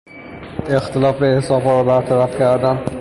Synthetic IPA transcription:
e̞xt̪ʰelɒːfbehsɒːbhɒːɾɒːbæɾt̪ʰæɾæfcʰæɾd̪æn

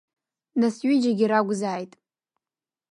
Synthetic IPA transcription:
nasɥid͡ʒaɡʲiɾaɡʷzaːjtʼ

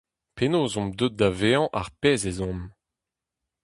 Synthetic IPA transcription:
penoːzɔ̃md̪øt̪̚d̪aveːɑ̃ʔaʁpeːzezɔ̃m

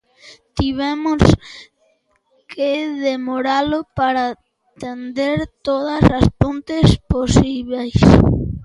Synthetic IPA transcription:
t̪iβɛmʊs | keðemoɾalopaɾa | t̪end̪eɾt̪oðɐsaspõnt̪esposiβejs

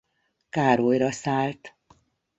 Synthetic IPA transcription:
kaːɾojrɒsaːlt̪

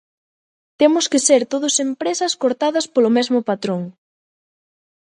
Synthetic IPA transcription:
t̪emʊskɪseɾt̪oðʊsempɾesɐskoɾt̪aðɐspolʊmezmʊpat̪ɾoŋ

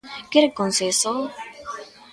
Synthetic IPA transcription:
keɾekonseso

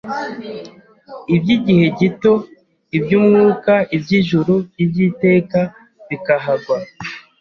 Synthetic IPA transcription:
ibɟiɟihe̞ɟito̞ | ibɟumŋuːkaibɟiʒuɾubjibɟite̞ːka | βikaɦaɡwa

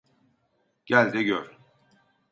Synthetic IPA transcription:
ɟ̥ælʲd̪ɛɟøɾ

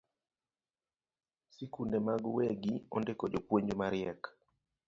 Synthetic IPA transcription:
sikundemaɡweɡiɔ̰ndekɔd͡ʒopweɲd͡ʒomaɾjɛk

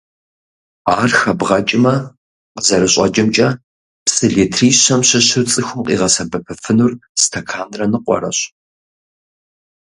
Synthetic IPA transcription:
aːrxɐbʁɐt͡ʃʼɪmɐ | qəzɐɾɨɕʼɐ̰d͡ʒɪmt͡ʃʼɐ | psʼɨɮeːtʰriːɕɐmɕɪɕɨt͡sʼɨxʷʊmqʼḭːʁɐsɐbɐpʰɨfɨnurstʰɐkʰaːnrɐnɨqʷʼɔ̰rɐ̰ɕ

